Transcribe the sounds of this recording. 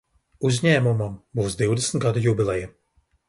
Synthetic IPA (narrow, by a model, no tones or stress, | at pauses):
uzʲɲæːmumambuːsd̪iwd̪ɛsnt̪ɡad̪ujubʲilˠɛja